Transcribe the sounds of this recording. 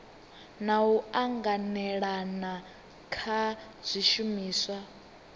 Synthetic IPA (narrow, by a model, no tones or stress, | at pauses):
nauaŋɡanɛɺana | kʰa | z̥ʷiʃumiːswa